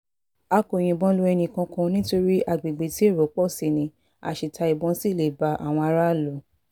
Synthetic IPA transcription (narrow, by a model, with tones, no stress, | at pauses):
a˧ko˨j̃ĩ˧˨bɔ̃˦lo˧˦ɛ˧nĩ˧˨kã˧kã˧nĩ˦to˧ɾi˦ʔa˦˨ɡ͡be˨ɡ͡be˨˦ti˦e˦˨ɾo˨˦k͡pɔ˦˨si˨nĩ˧ | a̰˨ʃi˨tʰa˧i˨bɔ̃˨˦si˦˨le˨ba˧˦ʔa̰˨w̃ɔ̃˧a˧ɾa˦˨lo˨˦